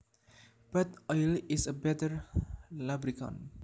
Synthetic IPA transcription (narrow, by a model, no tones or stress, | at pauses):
b̥at̪ɔjlɪsəbɛtəɹlabɾikɔ̰̃n